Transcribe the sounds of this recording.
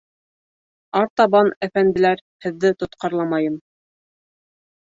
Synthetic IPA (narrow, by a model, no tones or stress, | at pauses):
ɑɾt̪ɑβɑnæfænd̪ɘ̆læɾhɘ̆ðːɘt̪ŏt̪qɑɾlˠɑmɑjɤm